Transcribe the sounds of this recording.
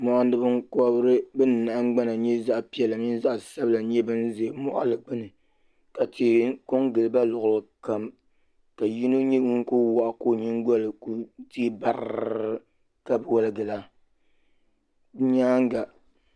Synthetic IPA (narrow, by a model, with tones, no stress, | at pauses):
mɔ˨ʔa˦n˦dɨ˦bɨ˦ŋkɔ˦bɾɨ˦bɨ˦n˨na˨ʔŋ˦ɡ͡ba˦na˨ɲɛ˦za˦ʔpi˨ɛ˨lɨ˨mi˦n˦za˦ʔsa˦bɨ˦la˨ɲɛ˦bɨ˦n˦ze˨mɔ˦ʔa̰˦lɨ˨ɡ͡bɨ˦nɨ˨ | ka˨teː˨˦ko˦ŋɡɨ˨lɨ˨ba˦lʊ˨ɣʊ˨lɨ˨ka˨m | ka˨ji˦no˦ɲɛ˦ŋu˦ŋ˦ko˦wa˨ʔko˦˨ɲi˦ŋɡɔ˦lɨ˨ku˦ti˦ba˦ɾ | ka˦bɨ˨wɔ˦lɨ˨ɡɨ˨la˦ | bɲaː˦ŋ˦ɡa˨